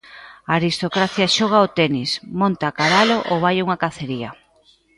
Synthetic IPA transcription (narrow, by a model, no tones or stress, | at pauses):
aaɾist̪okɾaθjaʃoɣ̞aot̪ɛnismõnt̪akaðaloʔoβajuŋakaθeɾia̰